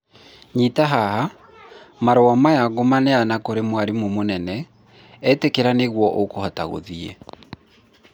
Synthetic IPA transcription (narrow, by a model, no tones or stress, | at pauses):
ɲitaɦaha | maɾoamajaɣomanɛanakoɾemwaɾimomonɛnɛ | ɛtekeɾaneɣwɔʔokohataɣo̰ðiɛ̰